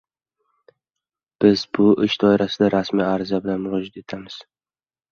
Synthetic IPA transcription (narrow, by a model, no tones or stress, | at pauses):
b̥ɪzbʊʔɪʃd̪ɒɪɾasɪd̪aɾasmiːaɾzabɪlanmʊɾɒd͡ʒat̪e̞t̪ʰamɪz̥